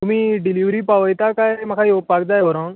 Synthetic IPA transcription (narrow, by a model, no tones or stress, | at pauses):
t̪umiːɖiliʋɾipaʋəjt̪akajm̤akʰajopːakd̪ajɦɔɾan